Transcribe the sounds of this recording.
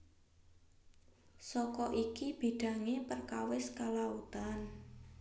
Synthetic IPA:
sɔkɔʔikib̥i̤ɖ̥ä̤ŋepərkawɪskalaut̪an

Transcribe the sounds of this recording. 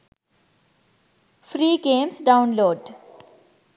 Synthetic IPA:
fɾiːɡẽːmsɖãʊ̃nloːɖ

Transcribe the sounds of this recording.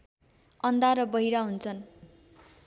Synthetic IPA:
ʌnd̪aɾʌbʌɦiɾaɦunt͡sʰʌn

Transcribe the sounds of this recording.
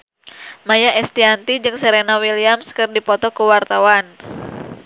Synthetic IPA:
majaʔɛst̪iant̪id͡ʒɨŋsəɾenawiliamskɨrdipɔt̪ɔkuwart̪awan

